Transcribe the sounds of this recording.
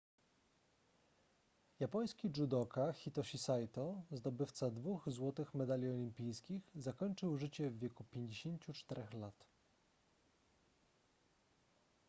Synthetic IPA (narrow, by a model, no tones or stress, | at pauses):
japɔj̃skʲid͡ʐud̪ɔkaxʲit̪ɔɕisajt̪ɔzd̪ɔbɘft̪sad̪vuxzwɔt̪ɘxmɛd̪alʲiɔlʲimpʲijskʲixzakɔɲt͡ʂɘwʐɘt͡ɕɛvːʲjɛkupʲjeɲd͡ʑeɕeɲt͡ɕut͡ʂt̪ɛɾɛxlat̪